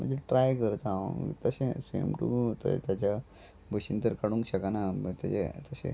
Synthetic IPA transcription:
m̤əd͡ʑeʈɾajkəɾt̪aə̰̃ŋt̪əsesḛmʈuot̪oḛt̪jat͡ɕa | bʱəɕint̪əɾkaɽũŋkɕəkanat̪at͡ɕet̪əsḛ̃

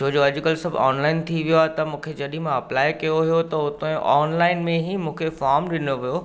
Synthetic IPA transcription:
t͡ɕʰoːd͡ʑoɐʄkɐlsɐbʱɔ̰ːnlaːɪnt̪ʰiʋijoaːt̪ɐmũːkʰed͡ʑɐɗɪ̃ɦmãɐplaːɪkɐjoɦijot̪ɐʊt̪õẽʔɔːnlaːɪnmẽɦimũːkʰefaːɾmɗɪnoʋijo

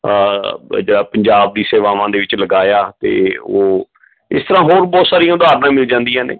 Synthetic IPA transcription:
d͡ʒeːɽaːpəɲd͡ʒaːb̚d̪iːseːʋaːʋãːd̪eːʋɪt͡ʃləɡaːjaːt̪ḛːoː | ɪst̪əɾãːɦoːɾbɔːt̪saːɾijãːʊd̪aːɾnãːmɪld͡ʒãːnd̪ijãːnḛː

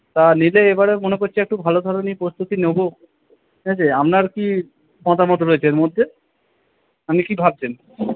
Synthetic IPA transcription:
t̪anileebaɾemonekoɾt͡ɕʰiɛk̚ʈubʱalod̪ʱɔɾonipɾost̪ʰut̪inewbo | ed͡ʑeamnaɾki | mɔt̪amɔt̪oɾoet͡ɕʰeeɾmod̪ʱːe | amnikibʱab̚t͡ɕʰen

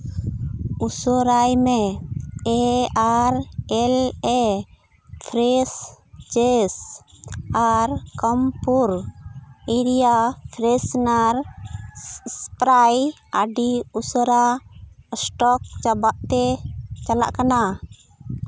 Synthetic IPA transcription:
usɔɾajmɛ | ɛaɾɛlɛ | pʰɾɛs | t͡ʃes | aɾkəmpuɾ | iɾijapʰɾɛsnaɾ | spɾaj | aɖiusəɾa | sʈɔk̚t͡ʃabaʔt̪ɛt͡ʃala̰ʔkana

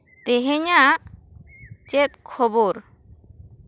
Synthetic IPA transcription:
t̪ɛɦɛɲaʔ | t͡ʃɛt̪̚kʰɔboɾ

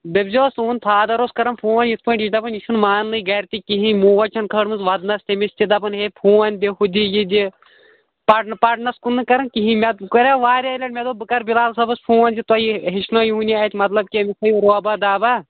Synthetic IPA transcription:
d̪ɐbzoːsuːnt̪ʰaːd̪ɐɾoːskɐɾɐnpʰuːɐnʲjit̪̚ʰpɨʈiʃd̪ɐpɐniʃʰunmaːnlɨɡɐɾt̪ikiɦĩmuːʋɐt͡ʃʰɐnkʰəːɽmɨnzʋɐd̪nɐst̪emist̪ʲid̪ɐpɐnɦepʰuːɐnʲd̪iɦud̪ʲijid̪ʲi | pɐʈpɐʈnɐskunːɨkɐɾɐnkiɦĩmʲɐt̪kɐɾʲaʋaːɾʲɐlʲɐʈmʲed̪oːbɨkɐɾbilaːlsɐbɐspʰũːɐnʲd̪ʲit̪ɐjiɦiʃnoːjuːniaːjt̪ʲmɐt̪lɐb̚kiɐmisɐjuɾoɐbad̪aːba

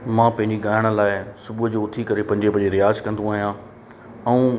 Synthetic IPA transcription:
mãːpɐ̃ɦɪ̃ɲd͡ʑiɡaːɪɽ̃əlaːɪsʊbud͡ʑoːʊt̪ʰikɐɾepɐ̃ɦɲd͡ʑepɐ̃ɦd͡ʑeɾɪjaːzkɐ̃n̆d̪ũaːɦijã | ɛ̃ũ

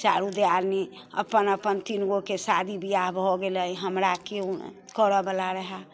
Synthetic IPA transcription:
t͡ʃaɾud̪eaɾne | ə̰pənəpənt̪inɡokesad̪ʱibijaɦbʱɔɡeləjɦəmɾakekəɾəbəlaɾəɦa

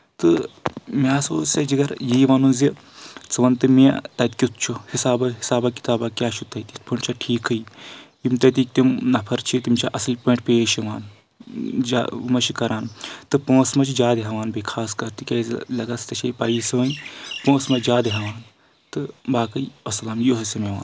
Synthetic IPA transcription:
t̪ɨmaːsoːsɐd͡ʒiɡɐɾjiːʋaːnunzi | t͡sɨʋɐnt̪ɨmit̪ɐt̪̚kʲit̪̚ʰt͡ʃʰuhisaːbɐɦisaːbaki̥t̪aːbakʲjaːt͡ʃʰut̪ɐt̪it̪pʰuɳt͡ʃʰɐʈʰiːkʰɨjjimt̪ɐt̪̬ik̚t̪imnɐpʰɐɾt͡ʃʰit̪imt͡ʃʰaʔɐslpõːɳʈpeːʃiʋaːn | d͡ʒa̰mɐt͡ʃʰikɐɾaːnt̪ɨpõːsmɐt͡ʃʰid͡ʒaːd̪iɦɐʋaːnbɐkʰaːskɐɾt̪ikʲɐzlɐɡɐst̪ɐt͡ʃʰɐpaːjisɨʋɐnpõːsmɐd͡ʒaːd̪iɦɐʋaːn | t̪ɨbaːkɨjɐslamjoɦɐsɐmeʋa̰ːn

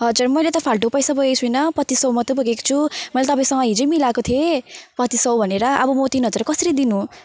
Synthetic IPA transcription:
ɦʌd͡zurmʌjlet̪ʌpʰalʈopʌjsaboɡekt͡sʰujnʌpʌt̪isʌwmʌt̪oboɡekt͡sʰumʌjlat̪ʌpaĩsʌŋɡʌɦid͡zʌmilakot̪ʰiepʌt̪isʌwbʱʌneɾʌʔʌ̰bʌmot̪inɦʌd͡zuɾʌkʌsiɾid̪inu

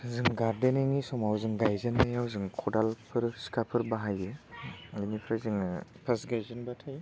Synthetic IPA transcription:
zɯŋɡaɾdeneŋisɔmawzɯŋɡajzɯnːajawzɯŋkʰɔdalpʰɯɾsi̥kʰapʰɯɾbaɦajɯ | inipʰɾazɯŋpʰasɡajzɯnbatʰaj

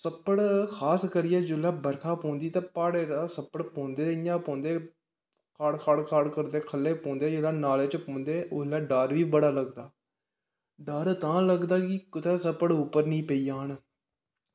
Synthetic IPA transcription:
səpːəɽkʰaːskəɾɪjɛːd͡ʒʊlaːbəɾkʰaːpõːnd̪iːt̪ãːpaːɽeːɾaːsəpːəɽpõːnd̪eːɪjãːpõːnd̪eː | kʰaːɽkʰaːɽkʰaːɽkəɾd̪eːkʰəlːeːpõːnd̪eːd͡ʒelaːnaːleːt͡ʃpõːnd̪eːʔolaːɖaːɾʋiːbəɽaːləɡd̪aː | ɖaɾt̪ãːləɡd̪aːkikʊt̪ʰeːsəpːəɽʊpːəɾnĩːpəiːjaːn

